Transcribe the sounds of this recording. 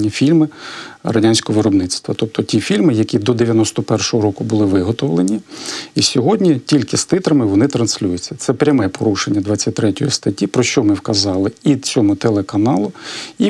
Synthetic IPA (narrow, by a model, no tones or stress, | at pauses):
nʲːɐfʲilʲmɪrɐdʲanʲsʲkɔɔʋɪɾɔbnɪt͡s̪t̪ʋɐt̪ɔp̚t̪ʰɔtʲifʲilʲmɪjɐkʲid̪ɔd̪eʋʲjɐnɔst̪ɔpɛrʃɔɦɔɾɔkʊbʊlˠɪʋɪɦɔt̪ɔwlˠenʲiisʲɔɦɔdʲnʲitʲilʲkɪst̪ɪt̪ɾɐmɪʋɔnɪt̪ɾɐnsʲlʲujʊt͡sʲːɐ̥t̪sɛpɾʲɐmɛpɔɾuʃenʲːɐd̪ʋɑt͡sʲːɐt̚ʲt̪ɾɛtʲɔjist̪ɐtʲːipɾɔʃt͡ʃɔmɪwkɐzɑlˠɪit͡sʲɔmʊt̪elˠekɐnɑlˠʊi